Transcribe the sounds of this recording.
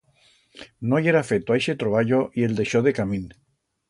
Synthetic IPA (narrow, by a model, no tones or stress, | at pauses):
nojeɾafet̪oajʃet̪ɾoβaʎoʔie̞ld̪e̞ʃoðekamĩn